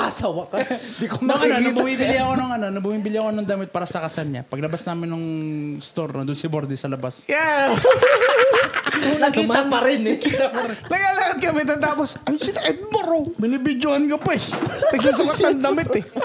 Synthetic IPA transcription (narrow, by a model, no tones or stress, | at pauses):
ʔasɐwɐkas | d̪ikomoŋɐnonɐbmiːbɪlɪɐkonoŋɐnonɐbʊmiːbɪlɪɐkoɐnoŋd̪ɐmɪt̪̚paːɾɐsɐkɐsɐnɲa̰pɐɡlɐbasnaːmɪnːɐŋst̪oɾnɐ̰d̪ʊnsɐboɾd̪ɛsɐlɐbasja | nɐkiːapɐɾɪnɐkit̪ɐpɐɾɪnɐɡaːlakɐd̪̚kɐmɛt̪ɐt̪aːposʔɐjsɪnɐʔɛd̪̚bɐɾobɪnibɪd͡ʒohɐnkopɛsnɐɡas̬ɐmɐt̪ɐŋd̪ɐmɪt̪ɛ